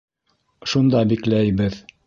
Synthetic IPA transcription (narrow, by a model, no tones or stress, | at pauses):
ʃund̪ɑbiklæjbɘð